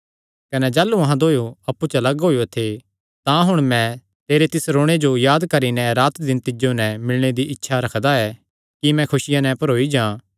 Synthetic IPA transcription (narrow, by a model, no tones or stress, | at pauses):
kɐnɛd͡ʒaːlːuɐɦãd̪oːjoɐpːut͡ʃɐlɐɡɦoːjot̪ʰe | t̪ãɦʊɽ̃mɛ̃ | t̪eːɾet̪ɪsɾoːɽ̃ed͡ʒojaːd̪kɐɾinɛɾaːt̪d̪ɪnt̪ɪd͡ʒonɛmɪlɽ̃ed̪iʔɪtːʃʰaɾɐkʰd̪aɛ | kimɛ̃kʰʊsɪjãnɛpɐɾoːid͡ʒãː